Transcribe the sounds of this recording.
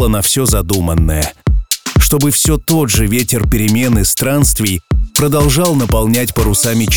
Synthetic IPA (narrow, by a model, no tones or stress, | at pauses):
ənɐfsʲɵzɐd̪umənːəjə | ʂt̪o̞bɨfsʲo̞t̪o̞dʐɨvʲetʲɪrpʲɪɾʲɪmʲe̞nɨst̪ɾanst̪vʲɪjpɾəd̪ɐlˠʐɑlˠnəpɐlˠnʲætʲpəɾʊsamʲɪt͡ɕ